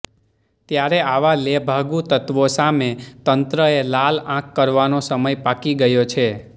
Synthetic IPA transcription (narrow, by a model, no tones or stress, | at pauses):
t̪jaɾeaʋalebʱaɡut̪ət̪ʋosamet̪ənt̪ɾəelalãkːəɾʋanosəməjpakiɡəjot͡ʃʰe